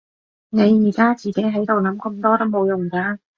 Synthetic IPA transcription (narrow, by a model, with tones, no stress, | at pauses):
ne˨˧jːiː˨˩kaː˥t͡siː˨ke˨˥jɦɐ˨˥jt̪o˨wnɐ˨˥mkə˧mt̪ɔː˥t̪o˥wmo˨˧wjʊ˨˩ŋkaː˧